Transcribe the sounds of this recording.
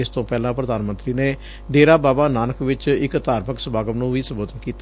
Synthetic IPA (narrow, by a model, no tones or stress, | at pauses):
ɪst̪õːpɛːlãːpɾəd̪aːnmə̃nt̪ɾiːneː | ɖeːɾaːbaːbaːnaːnəkʋɪt͡ʃɪkt̪aːɾməksəbaːɡəmnũːʋiːsəmboːd̪ənkiːt̪